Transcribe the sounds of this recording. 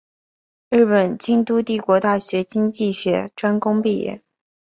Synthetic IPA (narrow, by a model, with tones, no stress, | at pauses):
ɻɻ̩˥˩pə˨˩nt͡ɕi˥ŋt̪u˥t̪i˥˩kwɔ˧˥t̪a˥˩ɕɥɛ˧˥t͡ɕi˥ŋt͡ɕi˥˩ɕɥɛ˧˥ʈ͡ʂwa˥nkʊ˥ŋpi˥˩jɛ̰˥˩n